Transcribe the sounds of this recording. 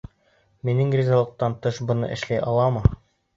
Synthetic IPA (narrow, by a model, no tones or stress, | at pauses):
minɘŋɡrʲizalˠɤ̆q̚t̪ɑnt̪ɤʃbɤ̆nɤ̰ʔɘ̆ʃlæjʔɑlˠɑmɤ